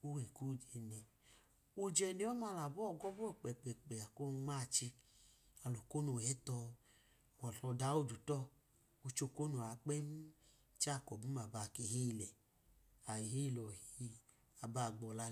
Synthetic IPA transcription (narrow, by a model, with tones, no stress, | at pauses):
u˦wɛ˨ku˦˨d͡ʒɛ˨nɛ˧ | u˧d͡ʒɛ˧ne˧˦ɔ˦ma˧la˨bɔ˦˨ɡɔ˦bɔ˦ɛ˨k͡pɛ˨k͡pɛ˨k͡pɛ˨a˨ko˦ŋ͡ma˦˨t͡ʃi˧a˨lo˨ko˦nu˧wɛ˨˦tɔ˧˨ | wɔ˨ɬɔ˧da˨˦o˦˨d͡ʒu˨tɔ˦˨ | u˧t͡ʃo˧˨ko˦nu˨a˨˦k͡pɛ˦m˦ | t͡ʃa˦˨kɔ˨bu˨˦ma˨ba˨ke˧hi˦˧˨lɛ˨ | a˨i˨hi˦˨lɔ˨hii˦ | a˨ba˧˨ɡ͡bɔ˨˧la˧